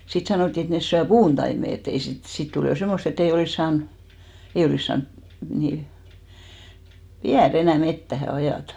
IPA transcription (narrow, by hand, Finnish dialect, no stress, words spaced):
sit sɑnoˑtːi et nes syæ puːntɑime et ei sit sit tul jo semːost etː ei oliˑs sɑːn ei oliˑs sɑːn ni ʋiær enæˑ metːæhæ ɑjɑˑtɑ̥